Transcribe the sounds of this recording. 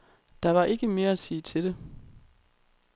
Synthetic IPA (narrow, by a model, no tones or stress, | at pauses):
d̥ɑ̈ʋɑ̈ʔe̝ɡ̥əme̝ːɐæsḭːt͡sʰe̝d̥e̝